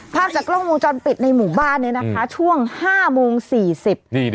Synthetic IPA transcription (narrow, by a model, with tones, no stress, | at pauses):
pʰaː˥˩mt͡ɕaː˨˩klo˥˩ŋmoː˧ŋt͡ɕɔ˧npi˨˩t̪̚na˧jmuː˨˩baː˥˩nːiː˧˥˩na˦˥kʰa˦˥t͡ɕʰu˥˩əŋhaː˥˩moː˧ŋsiː˨˩si˨˩p̚ː